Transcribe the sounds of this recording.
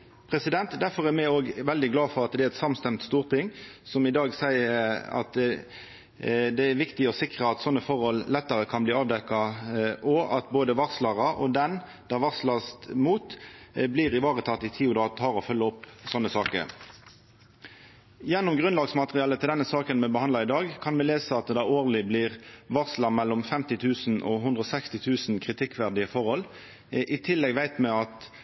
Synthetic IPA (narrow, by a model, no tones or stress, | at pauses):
pʰʁɛsɪd̪ɛnt̪d̪æʁfɔʁæʁmɛoːɡʋɛld̪ɪɡlɑːfɔʁɑt̪̚d̪ɛæɛt̪sɑmst̪ɛmt̪st̪uːʁt̪ʰɪŋsɔmɪd̪ɑːɡsæɪəɑ̰t̪ | d̪ɛæʋɪkt̪ɪɔsɪkʁəɑt̪sɔnːəfɔʁhɔllɛt̪ːəʁəkʰɑnbliːɑːʋd̪ɛkːɑʔɔɑt̪boːd̪əʋɑʁslɑʁəʔɔd̪ɛn | d̪̥ɑːʋɑʁslɑst̪muːt̪bliːʁɪʋɑːʁət̪ʰɑt̪ːɪt̪ʰiːʊd̪ɑːt̪ʰɑːʁɔfœlːəɔpːsɔnːəsɑːkə̰ɾ | jɛnːʊmɡʁʉnlɑːɡsmɑt̪əʁɪɑːlət̪ɪld̪ɛnːəsɑːkənmɛbəhɑnd̪lɑɪd̪ɑːɡkʰɑnmɛleːsəɑt̪d̪ɑːoːʁlɪbliːʁʋɑʁslɑmɛlːɔmfɛmt̪ɪt̪ʰʉːsn̩ʔɔ̰ɦʉnd̪ʁɔsɛkst̪ɪt̪ʰʉːsnkʰʁɪt̪ʰɪkːʋæʁd̪ɪəfɔʁhɔl | ʔɪt̪ʰɪlːɛɡʋæɪt̪mɛɑt̪